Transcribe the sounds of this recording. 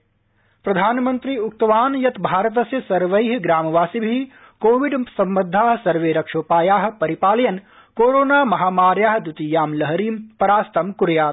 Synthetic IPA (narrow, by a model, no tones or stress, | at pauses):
pɾɐd̪ʱaːnmɐ̃nt̪ɾiːʊk̚t̪ɐʋaːnjɐt̪bʱaːɾɐt̪̬ɐsjɐsɐɾʋɐjɦɡɾaːmɐʋaːsibʱi | koːʋiɖsɐmbɐd̪ʱːaːɦ̆sɐɾʋeːɾɐkʂoːpaːjaːɦ̆pɐɾipaːljɐn | koːɾoːnaːmɐɦaːmaːɾjaːɦd̪ut̪ijaːmlɐɦɾiːmpɐɾaːst̪ɐmkuɾjaːt̪